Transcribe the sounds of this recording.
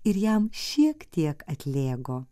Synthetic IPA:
ɪɾjɛmʃʲiɛkt̪ʲiɛkɐt̪ʲlʲeːɡoː

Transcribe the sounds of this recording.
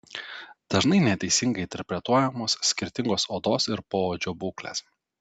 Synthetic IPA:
d̪̥ɐʒnɐɪnʲɛt̪ʲɛɪsʲɪŋɡɐɪɪnʲt̪ʲɛɾʲpʲɾʲɛt̪uɔjɛmoːssʲkʲɪɾʲt̪ʲɪŋɡoːsoːd̪oːsɪɾpoːod͡ʒʲoːbuːklʲḛs

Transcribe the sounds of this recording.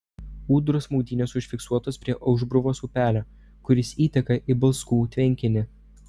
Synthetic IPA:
uːd̪ɾosmuʊd̪ʲiːnʲosʊʃʲfʲɪksuɔt̪oːspʲɾʲiɛʔɐʊʒbɾʊʋoːsupʲæːlʲo | kʊɾʲɪsiːt̪ʲɛkɐʔibɐlˠskuːt̪ʲʋʲɛŋʲkʲɪnʲɪ

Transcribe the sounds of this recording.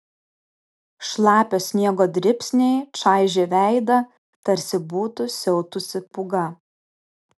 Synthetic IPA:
ʃlˠɑːpʲoːsʲnʲiɛɡoːd̪ʲɾʲɪpʲsʲnʲɛɪt͡ʃɑˑɪʒʲeːʋʲæˑɪd̪ɐ | t̪ɐɾʲsʲɪbuːt̪ʊsʲɛʊt̪ʊsʲɪpʊɡɐ

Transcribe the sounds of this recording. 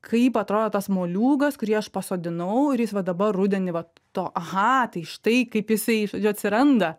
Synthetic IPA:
kʰɐɪpɐt̪ɾoːd̪oːt̪ɐsmoːlʲuːɡɐskʊɾʲiɛɐʃpɐsoːd̪ʲɪnɐʊɪɾjɪsʋɐd̪ɐbɐrrʊd̪ʲɛnʲɪʋɐ | t̪oːʔɐɣɐt̪ɐɪʃt̪ɐɪkɐɪpjɪsɐɪʒoːd͡ʒʲʊɐt̪ʲsʲɪɾɐnd̪ɐ

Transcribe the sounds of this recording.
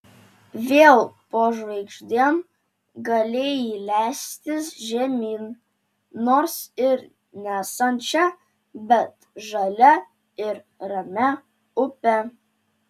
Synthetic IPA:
ʋʲeːlˠpoːʒʋɐɪɡʒd̪ʲiɛm | ɡɐlʲeːjilʲæːsʲt̪ʲɪsʒʲɛmʲiːn | noːɾsɪɾ | nʲæːsɐnʲt͡ʃʲɛ | bʲɛt̪ | ʒɐlʲɛ | ɪɾ | ɾɐmʲɛ | ʊpʲɛ

